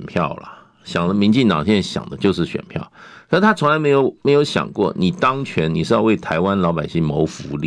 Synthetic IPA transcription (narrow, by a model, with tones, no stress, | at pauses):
npʰjɑ˥˩ʊlə̰˩ | ɕjɑ˨˩ŋd̪ə˦mi˧˥nt͡ɕi˥˩ŋt̪ɑ˨ŋɕɛ˥na˥˩ɕjɑ̰˨˩ŋd̪ə˦t͡ɕjo˥˧ʊʂ̬ɻ̩˥˩ɕɥɛ̰˨˩npʰjɑ˥˩ʊ˧˥˩t̪ʰa˥t͡sʰʊ˧˥ŋla˧˥ɪme˧˥ɪjo˧˥ʊme˧˥ɪjo˧˥ʊɕjɑ̰˨˩ŋkwɔ̰˥˩ni˨˩t̪ɑ˥ŋt͡ɕʰɥɛ˧˥nni˨˩ʂɻ̩˥˧jʊwe˥˩ɪt̪ʰa˧˥ɪwa˦nlɑ˧ʊpa˨˩ɪɕi˥˩ŋmo˧˥ʊfu˧˥lḭ˥˨